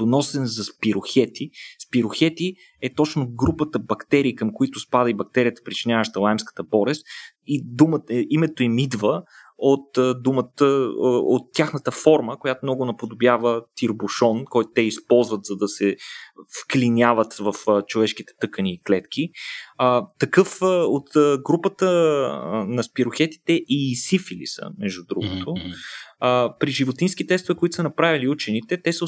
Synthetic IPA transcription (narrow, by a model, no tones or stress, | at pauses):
d̪onɔsɛnzɐspiɾʊxɛt̪ispiɾʊxɛt̪i | ɛt̪ɔt͡ʃnoɡɾupət̪əbɐkt̪ɛɾiːkəmkʊit̪ʊspad̪əibɐk̚t̪ɛɾijət̪ə̥pɾit͡ʃinʲjavəʃt̪əlˠajmskə̥t̪əbɔɾɛst̪id̪uməimɛt̪oimid̪və | ot̪ːd̪umət̪əot̪ːʲaxnət̪əfɔɾməkojat̪ʊmnɔɡʊnɐpod̪objavət̪iɾbuʃɔnkɔjt̪ʊt̪ɛispɔlˠzvət̪zɐd̪ɐsɛfklinʲjavət̪vɐft͡ʃovɛʃkit̪ɛ̥t̪ɤkəniːklɛt̪k̟ʰiət̪ːɐkɤfot̪ɡɾupət̪ə | nɐspiɾoxɛt̪i̥t̪ɛʔisifilḭsə̰mɛʒd̪ud̪ɾṵɡot̪o | pɾiʒivot̪insk̟it̪ɛkst̪ovɛkoit̪ʊ̥sənɐpɾaviliut͡ʃɛnit̪ɛt̪ɛsə